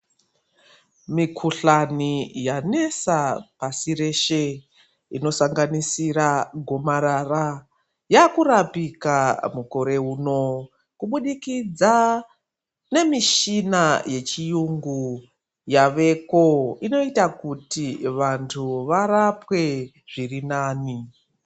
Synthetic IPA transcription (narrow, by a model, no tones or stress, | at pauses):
mikʰuɬanijane̞sapasiɾe̞ʃe | ino̞saŋɡanisiɾaɡʱo̞maɾara | jakuɾapikamuko̞ɾe̞ɦuːno̞ | kuɓuɗikid͡za | ne̞miʃinaje̞t͡ʃijuŋɡu | jaʋe̞ko̞ino̞itakutiʋantʰuʋarapwe̞ | ʐ̥irinaːni